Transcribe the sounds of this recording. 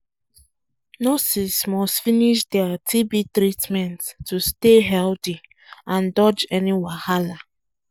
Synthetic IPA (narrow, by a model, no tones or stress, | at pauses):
nɔsismɔstfiniʃdɛatʰibitɾitmɛ̃nttːusteɦɛlti | ãndɔd͡ʒɛniwahala